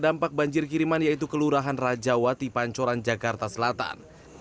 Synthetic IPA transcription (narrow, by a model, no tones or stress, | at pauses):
dampak̚baɲd͡ʒɪrkiɾimanjait̪ukəluɾaɦanrad͡ʒawat̪ipaɲt͡ʃɔɾand͡ʒakart̪asəlat̪a̰n